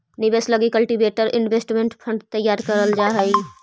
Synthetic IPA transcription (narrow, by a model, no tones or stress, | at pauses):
nɪbeːsləɡikəlʈibeːʈəɾʔɪnʋeːsʈmẽɳʈpʰə̃ɳɖt̪əjːaːɾkəɾəld͡ʒaːɦəi